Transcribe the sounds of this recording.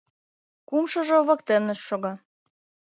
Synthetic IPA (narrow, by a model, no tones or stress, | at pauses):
kumʃɤ̆ʒŏβɤ̆kt̪enə̆ʃʃoɣɑ